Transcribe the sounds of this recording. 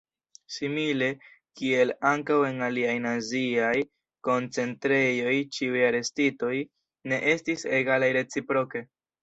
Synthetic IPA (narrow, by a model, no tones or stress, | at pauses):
simile̞kie̞laŋkawe̞naliajnaziaj | ko̞nt͡se̞ntɾe̞jo̞jt͡ʃiujaɾe̞stito̞j | ne̞ʔe̞stiseɡalajɾe̞t͡sipɾo̞ke̞